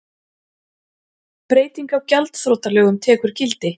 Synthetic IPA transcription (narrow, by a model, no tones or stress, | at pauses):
pɾeːjt̪iŋkawcalt̪θɾoːt̪alœːɣʏmt̪ʰɛːkʏɾ̥cɪlt̪ɪ